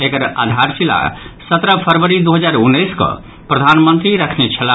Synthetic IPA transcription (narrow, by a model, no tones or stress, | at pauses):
ekəɾa̰d̪ʱaɾsila̰sət̪ɾəpʰəɾʋəɾid̪uɦəd͡ʒaɾunːəjskɔ̰ | pɾəd̪ʱanmənt̪ɾiɾəkʰnet͡ʃʰəla